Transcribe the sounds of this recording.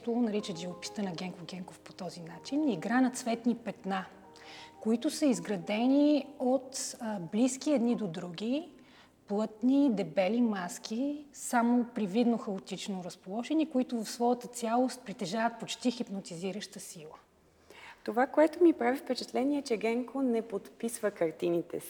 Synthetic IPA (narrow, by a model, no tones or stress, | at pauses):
t̪onɐɾit͡ʃəʒivopi̥st̪ənɐɡɛŋkoɡɛŋkofpot̪ɔzinat͡ʃiniɡɾanɐt̪svɛt̪nipɛt̪na | koit̪osəizɡɾɐd̪ɛniot̪bliskiɛd̪nid̪od̪ɾuɡ̟ʲi | plˠɤt̪nid̪ɛbɛlimask̟ʲisamopɾivid̪noxəot̪it͡ʃnoɾəspolˠɔʒɛnikoit̪ovɐfsvɔjət̪ət̪sʲjalˠost̪̚pɾit̪ɛʒavət̪̚pot͡ʃt̪ixipnot̪iziɾəʃt̪əsilˠə | t̪ovakoɛt̪omipɾavifpɛt͡ʃɛt̪lɛniɛt͡ʃɛɡɛŋkonɛpot̪pisvəkɐɾt̪init̪ɛ̰si̥